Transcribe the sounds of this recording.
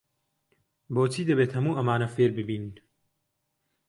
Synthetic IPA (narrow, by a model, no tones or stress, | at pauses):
boːt͡sʰiːd̪ɐbeːt̪hɐmuːʔɐmaːnɐfeːɾbɨbiːnɨn